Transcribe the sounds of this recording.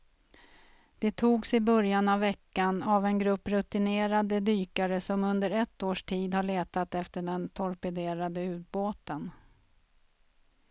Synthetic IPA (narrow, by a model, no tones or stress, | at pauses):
d̪̥ɛt̪ʰuːɡsɪbœɾjanavːɛkːanavɛnɡɾɵpːɾɵt̪ɪneːɾad̪əd̪yːkaɾəsɔmɵnd̪əɾɛt̪ːoːʂʈʰiːd̪haɭeːt̪at̪ɛft̪əɖɛnt̪ʰɔɾpɛd̪eːɾad̪əʉ̟ːt̪̚boːt̪ən